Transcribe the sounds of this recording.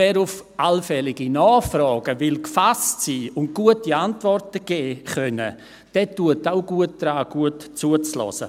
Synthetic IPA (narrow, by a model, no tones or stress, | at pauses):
ɛɾʊf | alfɛlɪɡinɑːχfrɔːɡ̥əvɪlkfastsiːʊnt̚ɡ̥uətiantvɔrtəɡ̥ɛːχœnə̰ | d̥ɛtːuətaʊɡ̥uət̚d̥raːɡ̥uətt͡suət͡slɔ̰sə̰